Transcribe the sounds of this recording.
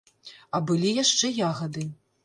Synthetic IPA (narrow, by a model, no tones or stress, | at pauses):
ɐbɨlʲijaʂt͡ʂɛjaɣɐd̪ɨ